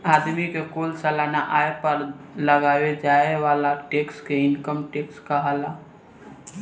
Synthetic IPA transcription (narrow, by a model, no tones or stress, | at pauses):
aːd̪mikekoːlsəlaːnaʔaːepəɾləɡaːʋed͡ʒaːewaːlaʈeːkskeɪnkəmʈeːkskaɦala